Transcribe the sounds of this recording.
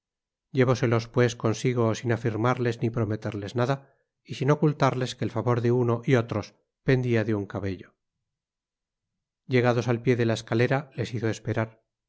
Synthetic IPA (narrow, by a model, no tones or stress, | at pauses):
je̞βo̞se̞lo̞spwe̞sko̞nsiɣ̞osinafiɾmaɾle̞znipɾo̞me̞t̪eɾle̞znaða | isino̞kult̪aɾle̞skeːlfaβo̞ɾðeuno̞ʔio̞t̪ɾo̞s | pe̞nd̪iaðeuŋkaβe̞ʎo̞ | je̞ɣaðo̞salpjeðe̞lae̞skale̞ɾale̞siθo̞e̞spe̞ɾaɾ